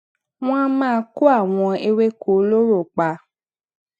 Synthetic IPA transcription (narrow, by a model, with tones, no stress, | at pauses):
w̃ɔ̃˦mãː˦˨˧ku˦a˦˨w̃ɔ̃˧e˧we˦ko˨˦lo˦ɾo˦˨k͡pa˧